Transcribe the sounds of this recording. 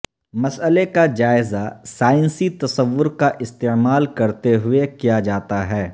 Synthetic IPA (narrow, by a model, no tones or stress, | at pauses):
mɐsəlekad͡ʒaːɪzasaːɪ̃nsit̪ɐsəʋːʊɾkaʔɪst̪eːmaːlkɐɾt̪eɦʊekijad͡ʒaːt̪aɦɛː